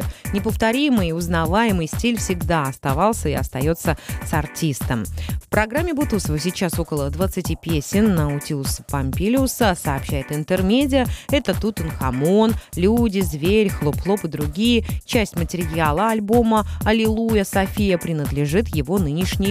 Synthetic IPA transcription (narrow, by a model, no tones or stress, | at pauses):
nʲɪpəft̪ɐɾʲimɨjʊznɐvajɪmɨjsʲtʲilʲfsʲɪɡd̪aɐst̪ɐvɑlˠsʲəɪɐst̪ɐjo̞t̪səsɐrtʲist̪əmfpɾɐɡɾamʲːɪbut̪usəvəsʲɪt͡ɕaso̞kəlˠəd̪vət̪sɨtʲipʲesʲɪnːəʊtʲiʊspɐmʲpʲilʲɪʊsəsɐːpɕæjɪt̪ɨnt̪ɨrmʲedʲɪjəɛt̪ət̪ut̪ɨnxɐmo̞nlʲudʲɪzvʲeɾʲxlˠʊplˠo̞pɨd̪ɾʊɡʲijət͡ɕæsʲtʲmətʲɪɾʲjalˠəɐlʲbo̞məɐlʲɪlˠujəsɐfʲijəpɾʲɪnəd̪lʲɪʐɨt̪jɪvo̞nɨnʲɪʂnʲɪj